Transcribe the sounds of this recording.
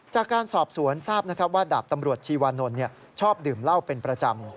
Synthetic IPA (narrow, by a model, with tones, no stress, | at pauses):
t͡ɕaː˨˩kːaː˧nsɔː˨˩p̚su˩˦ənsaː˥˩p̚na˥kʰɾa˦˥p̚waː˥˩daː˨˩p̚t̪a˧mɾu˨˩ət̪̚t͡ɕʰiː˧waː˧no˧nːi˥˩ɐ | t͡ɕʰɔː˥˩p̚dɯː˨˩mla˥˩wpe˧npɾa˧t͡ɕa˧m